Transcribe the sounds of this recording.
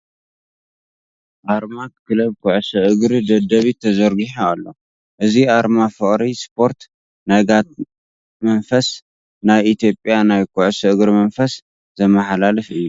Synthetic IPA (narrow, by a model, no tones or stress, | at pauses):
ʔaɾmakʰɨlɐβkʰʊʕsɨʔɨɡɾid̪ɐd̪ɐβit̪ʰɐzɐɾɡiħoalːo̞ | ʔɨziʔaɾmafɨkʼɾispʰo̞ɾt̪ | najɡat̪̚ | mɐnfɐs | najit̪jo̞pʼjanajkʰʊʕsɨʔɨɡɾimɐnfɐs | zɐmɐħalalɨfɨjːu